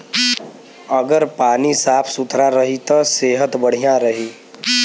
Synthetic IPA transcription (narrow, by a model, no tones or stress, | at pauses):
əɡəɾpaːnisaːpʰsʊt̪ɾaɾəɦit̪ɔseːɦət̪bəɽ̤ijãɾəɦiː